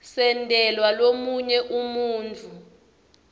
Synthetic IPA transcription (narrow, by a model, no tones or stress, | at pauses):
sɛndʱɛlwalomuɲɛʔumuːnt͡fʰu